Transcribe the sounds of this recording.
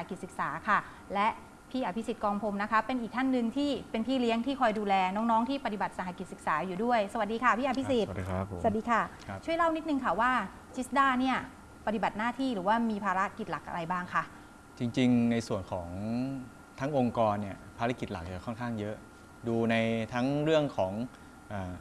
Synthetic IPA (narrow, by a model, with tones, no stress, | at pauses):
a˨˩ki˨t̪̚sɯ˨˩k̚saː˩˦kʰa˥˩ | lɛ˦˥ʔ | pʰiː˥˩ʔaː˧pʰi˦˥si˨˩t̪̚kɔː˧ŋpʰo˧mna˦˥kʰa˦˥pe˧nʔiː˨˩k̚t̪ʰa˥˩nːɯ˧ŋt̪ʰiː˥˩pe˧npʰiː˥˩li˦˥əŋt̪ʰiː˥˩kʰɔː˧jduː˧lɛː˧nɔː˦˥ŋnɔː˦˥ŋt̪ʰiː˥˩pa˧t̪i˨˩ba˨˩t̪̚sa˨˦ɦa˧˩ki˨˩sɯ˨˩k̚saː˩˦juː˨˩du˥˩əjsa˧a˨˩diː˧kʰa˥˩pʰiː˥˩ʔpʰi˦˥si˨˩t̪ːʰa˨t̚diː˧kʰa˥˩ | t͡ɕʰu˥˩əjla˥˩wni˦˥t̪̚nɯ˧ŋkʰa˥˩waː˥˩ | t͡ɕʰi˦˥sdaː˥˩ni˥˩ɐ | pa˧t̪i˨˩ba˨˩t̪̚naː˥˩t̪ʰiː˥˩ɾɯː˩˦waː˥˩miː˧pʰaː˧ɾa˦˥ki˨˩t̪̚la˨˩k̚ʔa̰˧ɾa˧jbaː˥˩ŋkʰa˦˥˩ʔ | t͡ɕi˧ŋt͡ɕi˧ŋna˧jsu˨˩ənkʰɔː˩˦ŋ | t̪ʰa˦˥ŋʔo˧ŋkɔː˧nːi˥˩ɐpʰaː˧ɾa˦˥ki˨˩t̪̚la̰˨˩k̚t͡ɕa˨˩kʰɔ˥˩nkʰaː˥˩ŋjɤ˦˥ʔ | duː˧na˧jt̪ʰa˦˥ŋɾɯ˥˩əŋkʰɔː˩˦ŋ | ʔaː˨˩